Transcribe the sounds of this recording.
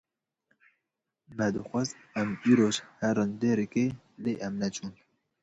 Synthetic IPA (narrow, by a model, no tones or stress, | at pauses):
mɛd̪ɨxʷɛzɛmiːɾoːʒhɛɾɨnd̪eːɾɨke | leːʔɛmnɛt͡ʃʰuːn